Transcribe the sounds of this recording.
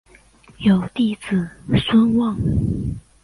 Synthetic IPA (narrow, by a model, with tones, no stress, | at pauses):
jo˨˩ʊt̪i˥˩t͡sɹ̩˨˩swə˥nwɑ˥˨ŋ